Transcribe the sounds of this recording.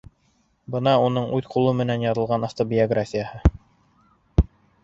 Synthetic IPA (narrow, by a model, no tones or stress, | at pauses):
bɤnɑunɤɴʉðqulˠɤmɘ̆nænjɑðɤ̆lˠʁɑnaft̪obʲɪoɡrafʲijəhɤ